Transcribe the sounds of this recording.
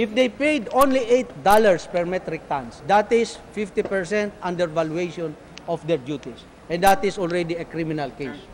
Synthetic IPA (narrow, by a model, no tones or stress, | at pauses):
ʔɪfd̪ejpejd̪õnliʔejt̪̚d̪alaɹspɛɹmɛt̪ɾɪk̚t̪ãnsd̪at̪ɪsfɪft̪ipɛɹsɛ̃nt̪ʔãnd̪ɛɹvaluejʃɔ̃n | ʔɔfd̪ɛɹd͡ʒjut̪is | ʔɛ̃nd̪at̪ɪsɔlɹɛd̪iɛkɾimɪnalkejs